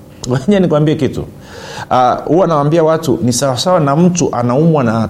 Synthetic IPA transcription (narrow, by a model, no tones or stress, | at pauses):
waɲanikuwambiɛkitṵ | ahuaanawambiawatunisawasawanam̩tuʔanaumwana